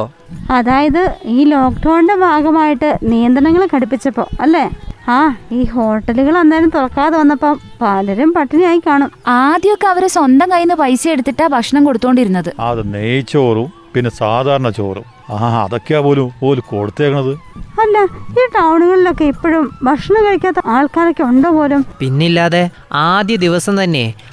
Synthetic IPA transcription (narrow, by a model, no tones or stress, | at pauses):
ɐðaːjɐðɨiːlo̞ːkʈʰɐːɳde̞bʱaːɡɐmaːjiʈːɨnijɐnd̪ɾɐnɐŋːɐɭkɐɽupːit͡ɕːɐpːo̞ːɐlːe̞aːiːɦo̞ːʈːɐluɣɐɭend̪aːjɐlumt̪uɭɐkːaːðɐʋɐnːɐpːom | paːlɐɾumpɐʈːinijaːjikʲːaːɳumaːd̪jjokːeɐʋɐɾeswond̪ɐmkɐjinːɨpɐjsɐeɽut̪ːiʈːabʱɐkʂɐɳɐmko̞ɽut̪ːoːɳɖiɾunːɐðɨɐ̰ðɨneːjit͡ɕːo̞ːrum | pinːesaːd̪ʱaːɾɐɳɐt͡ɕo̞̰ːrṵmː | ɐ̰ðokːaːpo̞ːlumpoːlukoːɽut̪ːeːkɐɳɐðɨɐlːɐiːʈɐwɳuɣɐɭilo̞kːe̞ipːoɻumbʱɐkʂɐɳɐŋkɐɻikʲːaːt̪ːɐaːɭkaːɾɐkʲːeuɳɖopo̞ːlumpinːilːaːðe | aːd̪jɐd̪iʋɐsɐmt̪ɐnːe̞